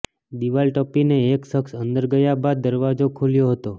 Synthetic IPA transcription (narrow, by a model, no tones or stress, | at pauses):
d̪iʋalʈɔpineːkʃəksənd̪əɾɡəjabad̪̚ːəɾʋad͡ʒokʰuljoɦət̪o